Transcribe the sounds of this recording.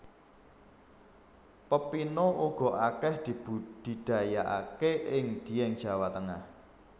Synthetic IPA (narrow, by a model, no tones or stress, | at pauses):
pəpinoʔuɡ̥ɔ̤ʔakɛhd̪̥i̤bud̪̥i̤ɖ̪̥a̤jaʔa̰keʔɪŋd̪̥i̤jɛŋd̥d͡ʒ̥a̤wat̪əŋah